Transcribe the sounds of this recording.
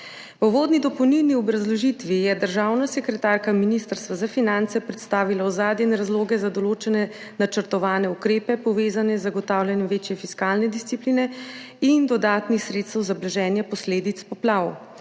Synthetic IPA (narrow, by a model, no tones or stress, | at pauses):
pɔʋoːd̪nid̪ɔpɔwnilniɔbɾazlɔʒit̪ʋijɛd̪əɾʒaːwnasɛkɾɛt̪aːɾkaminist̪əɾst̪ʋazafinant̪sɛpɾɛt̪st̪aːʋilawzaːd̪jɛnɛɾazloːɡɛzad̪ɔloːt͡ʃɛnɛ | nat͡ʃəɾt̪ɔʋaːnɛukɾeːpɛpɔʋeːzanɛzːaɡɔt̪aːwljanjɛmʋeːt͡ʃjɛfiskalnɛd̪ist̪sipliːnɛ | ind̪ɔd̪aːt̪nixsɾeːt̪st̪əwzablɛʒɛːnjɛpɔsleːd̪it̪spɔplaːw